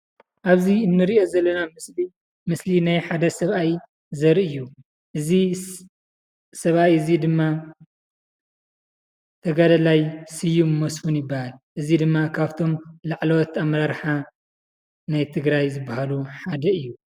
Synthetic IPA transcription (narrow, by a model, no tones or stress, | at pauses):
ʔaβziɨnːɨɾiʔo̞zɐlːɐnamsli | mɨslinajħad̪ɐsɐβʔaj | zɐɾʔɨjːu | ʔɨzi | sɐβʔajɨzid̪ɨmːa | t̪ʰɐɡad̪ɐlajsɨjːumːɐsfunjɪbːahalʔɨzid̪ɨmːakʰaβt̪ʰo̞mlaʕlowt̪amɾaɾħa | najt̪ʰɨɡɾajzɨbːahaluħad̪ɐɨjːu